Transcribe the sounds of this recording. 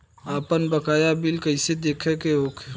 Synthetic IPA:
aːpənbəkaːjabɪlkəɪsed̪eːkʰekeoːkʰ

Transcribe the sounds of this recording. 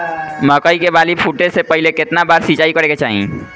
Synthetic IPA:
məkəikebaːlipʰuʈesepəɦɪlekɪt̪nabaːɾsit͡ʃaːikəɾeket͡ʃaːɦḭ̃

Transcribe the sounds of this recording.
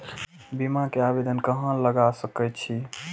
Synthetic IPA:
bimãkeabed̪ənkəɦə̃ləɡasəkɛtt͡ʃʰi

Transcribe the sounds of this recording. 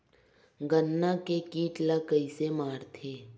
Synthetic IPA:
ɡənːakekiːʈlakəisemaːɾt̪ʰeː

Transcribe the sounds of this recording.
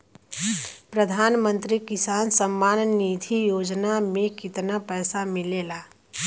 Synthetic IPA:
pɾəd̪ʱaːnmə̃nt̪ɾikɪsaːnsəmːaːnniːd̪ʰʱijoːd͡ʒnamẽkɪt̪napɛːsamɪleːlaː

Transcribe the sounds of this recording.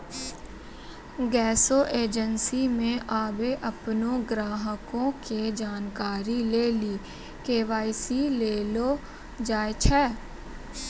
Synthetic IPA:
ɡɛːsoʔeːd͡ʒənsimẽʔaːbeʔɐpnõɡɾaːɦəkõked͡ʒaːnkaːɾileːliː | keːʋaːisileːlo | d͡ʒaːet͡ʃʰɛː

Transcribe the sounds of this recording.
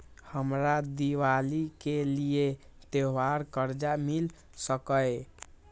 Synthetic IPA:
həmɾad̪iwalikeliet̪eʋaɾkəɾd͡ʒamil | səkəj

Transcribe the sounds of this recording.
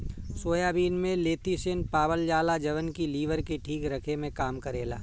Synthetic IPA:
soːjaːbiːnmẽleːt̪isɪnpaːbəld͡ʒaːlad͡ʒɐʋənkiliːʋəɾkeʈʰiːkɾɐkʰemẽkaːmkɐɾeːla̰ː

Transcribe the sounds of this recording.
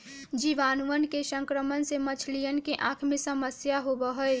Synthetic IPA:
d͡ʒiʋaːnuənkesə̃ŋkɾəmənsemət͡ʃʰlijənkeʔãːkʰmẽsəməsjaɦobəɦəe

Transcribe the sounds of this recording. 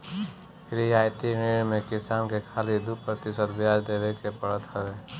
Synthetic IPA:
ɾiaːjt̪iniɳmẽkɪsaːnkekʰaːlid̪upɾət̪ɪsət̪bjaːd͡ʒd̪eːʋekepəɽət̪ɦəʋeː

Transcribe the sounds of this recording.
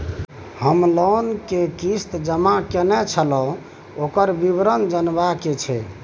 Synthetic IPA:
həmlɔnkekist̪d͡ʒəmakenɛt͡ʃʰəlɔ̃ | okəɾbibɾənd͡ʒənbaket͡ʃʰɛ

